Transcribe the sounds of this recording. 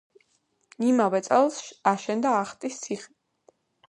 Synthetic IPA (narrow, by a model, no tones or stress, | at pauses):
nimavɛt̪sʼɛlˠsʃaʃɛnd̪aːχt̪ʼist̪sʰiχi